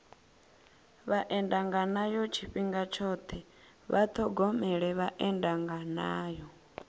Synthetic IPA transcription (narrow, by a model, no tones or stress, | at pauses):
βaʔɛndaŋɡanajɔt͡ʃʰiɸiŋɡat͡ʃʰɔt̪ʰɛ | βat̪ʰɔɡɔmɛɺɛβaʔɛndaŋɡanaːjɔ